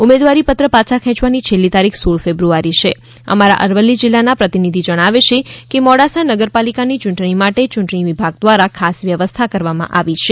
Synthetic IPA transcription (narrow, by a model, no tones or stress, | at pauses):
umed̪ʋaɾipət̪ɾəpat͡ʃʰakʰɛ̃t͡ʃʋanit͡ʃʰelːit̪aɾikʰsoɭfebɾuaɾiʃeə̰maɾa̰ʔəɾʋəlːid͡ʒɪlːanapɾət̪inid̪ʱid͡ʒəɽ̃aʋeʃekemɔɽasanəɡəɾpalikanit͡ʃuɳʈɳ̃imaʈet͡ʃʊ̃ɳʈɳiʋibʱaɡ̚d̪ʋaɾakʰasʋjəʋəst̪ʰakəɾʋamã̰ʔaʋit͡ʃʰe